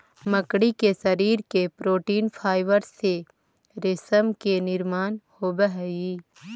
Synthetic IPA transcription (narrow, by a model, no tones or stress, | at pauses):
məkɽikesɐɾiːɾkepɾoːʈiːnpʰaːɪʋəɾse | ɾɪsəmkenɪɾmaːnhoːbəɦiː